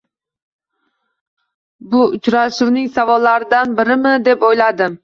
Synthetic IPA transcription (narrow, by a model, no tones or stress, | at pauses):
bʊʊt͡ʃɾaʃʊwnɪŋʲsavɒlːaɾɪd̪anbɪɾɪmɪd̪e̞pojlad̪ɪm